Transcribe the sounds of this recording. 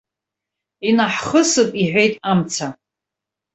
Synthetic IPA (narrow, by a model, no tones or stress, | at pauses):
inaħχəsɨpʼiħᶣʷejtʼamt͡sʰa